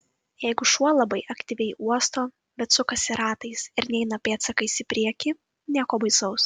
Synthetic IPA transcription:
jɛɪɡʊʃuɔlˠɐbɐɪʔɐkt̪ʲiːʋʲɛɪuɔst̪oː | bʲɛt̪sʊkɐsʲɪɾɑːt̪ɐɪsɪɾnʲɛɪnɐpʲeːt̪sɐkɐɪsʲɪpʲɾʲiɛkʲɪ | nʲiɛkoːbɐɪsɐʊs

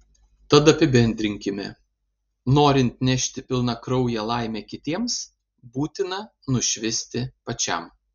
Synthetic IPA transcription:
t̪ɐt̪ɐpʲɪbʲɛnʲd̪ʲɾʲɪŋʲkʲɪmʲɛ | noːɾʲɪnʲt̪nʲɛʃʲt̪ʲɪpʲɪlˠnɐkɾɒʊjɛlˠɑˑɪmʲɛkʲɪt̪ʲiɛms | buːt̪ʲɪnɐ | nʊʃʲʋʲɪsʲt̪ʲɪpɐt͡ʃʲɛ̰m

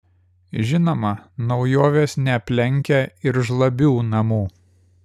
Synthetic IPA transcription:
ʒʲɪnoːmɐnɒʊjoːʋʲeːsnʲɛɐpʲlʲɛŋʲkʲɛɪɾʒlˠɐbʲuːnɐmuː

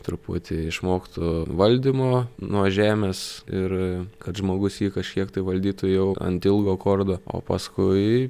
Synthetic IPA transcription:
t̪ɾʊpʊt̪ʲɪɪʃmoːkt̪ʊʋɐlʲd̪ʲɪmoːnuɔʒʲæːmʲeːsɪrkɐt̪ʒmoːɡʊsjiːkɐʃʲkʲiɛkt̪ɐɪʋɐlʲd̪ʲiːt̪ʊjɛʊɐ̰nt̪ʲɪlˠɡoːkoːrd̪oːo̰ːpɐskʊɪ

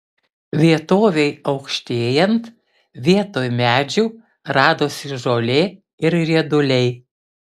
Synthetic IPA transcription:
ʋʲiɛt̪oːʋʲɛɪɒʊkʃʲt̪ʲeːjɛnt̪ | ʋʲiɛt̪oːjmʲæːd͡ʒʲuː | ɾɑːd̪oːsɪʒoːlʲe | ɪɾɾʲiɛd̪ʊlʲɛɪ

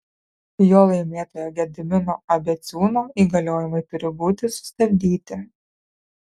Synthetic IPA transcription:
joːlˠɐɪmʲeːt̪oːjoːɡʲɛd̪ʲɪmʲɪnoːɐbʲɛt̪sʲuːnoːiːɡɐlʲoːjɪmɐɪt̪ʊɾʲɪbuːt̪ʲɪsʊ̥sʲt̪ɐbʲd̪ʲiːt̪ʲɪ

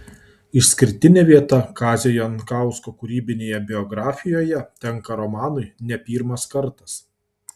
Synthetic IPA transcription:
ɪʃsʲkʲɪɾʲt̪ʲɪnʲeːʋʲiɛt̪ɐkɑːzʲejɔnkɑˑʊskoːkʊɾʲiːbʲɪnʲeːjɛbʲɪɔɡɾɑːfʲɪjoːjɛt̪ʲɛŋkɐɾɔmɑːnʊɪnʲɛpʲiːɾmɐskɐɾt̪ɐs

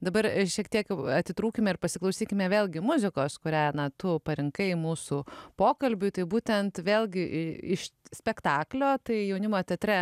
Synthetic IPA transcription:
d̪ɐbɐɾʃʲiɛkt̪ʲiɛkɐt̪ʲɪt̪ɾuːkʲɪmʲɛɪrpɐsʲɪklˠɐʊsʲiːkʲɪmʲɛʋʲeːlʲˠɡʲɪmʊzʲɪkoːskʊɾʲæːnɐt̪ʊpɐɾʲɪŋkɐɪmuːsupoːkɐlʲbʲʊt̪ɐɪbuːt̪ʲɛnt̪ʋʲeːlʲˠɡʲɪʔɪɪʃsʲpʲɛkt̪ɑːklʲoːt̪ɐɪjɛʊnʲɪmoːt̪ʲɛt̪ʲɾʲɛ

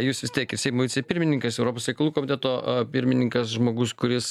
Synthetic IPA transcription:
juːsʋʲɪst̪ʲiɛkɪɾsʲɛɪmoʊʋʲt͡sʲɛpʲɪɾʲmʲɪnʲɪŋkɐsɛʊɾoːpoːsɾʲɛɪkɐlˠuːkoːmʲɪt̪ʲɛːt̪oːpʲɪɾʲmʲɪnʲɪŋkɐsʒmoːɡʊskʊɾʲɪs

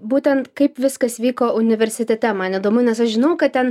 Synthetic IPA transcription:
buːt̪ʲɛnt̪kɐɪpʋʲɪskɐsʋʲiːkoːʔʊnʲɪʋʲɛɾʲsʲɪt̪ʲɛt̪ʲɛmɐnid̪oːmʊnʲɛsɐʃʒʲɪnɐʊkɐtt̪ʲɛn

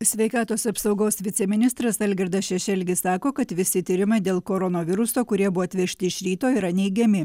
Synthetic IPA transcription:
sʲʋʲɛɪkɑːt̪oːsɐpsɒʊɡoːsʋʲɪt̪sʲɛmʲɪnʲɪst̪ɾɐsɐlʲɡʲɛɾd̪ɐsʃʲɛʃʲɛlʲɡʲɪssɑːkoːkɐt̪ʋʲɪsʲɪt̪ʲiːɾʲɪmɐɪd̪ʲeːlˠkoːɾɔnoːʋʲɪɾʊsoːkʊɾʲiɛbʊʋoːɐt̪ʲʋʲɛʃʲt̪ʲɪɪʃɾʲiːt̪oːiɾɐnʲɛɪɡʲɛmʲɪ

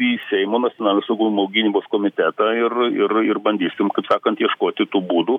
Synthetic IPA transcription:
iːsʲɛɪmoːnɐtt͡sʲsʲonɑːlʲnʲoːsɐʊɡumɐʊɡʲɪnʲiːboːskoːmʲɪt̪ʲæt̪ɐɪrɪɾɪɾbɐnʲd̪ʲiːsʲɪmkɐɪpsɑːkɐnt̪jiɛʃkoːt̪ʲɪt̪uːbuːd̪uː

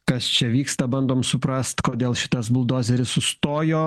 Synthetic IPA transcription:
kɐst͡ʃʲɛʋʲiːkst̪ɐbɐnd̪oːmsʊpɾɐst̪koːd̪ʲeːlˠʃʲɪ̥t̪ɐs̬bʊlˠd̪oːzʲɛɾʲɪssʊst̪oːjoː

